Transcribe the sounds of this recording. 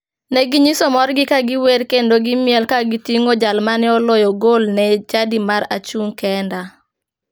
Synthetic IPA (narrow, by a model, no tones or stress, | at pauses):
nɛɡiɲisɔmɔrɡɪkaɡɪweɾkendoɡɪmjɛlkaɡitiŋod͡ʒalmanɛɔlɔjɔɡolnɛt͡ʃadimaɾa̰t͡ʃuŋkɛnda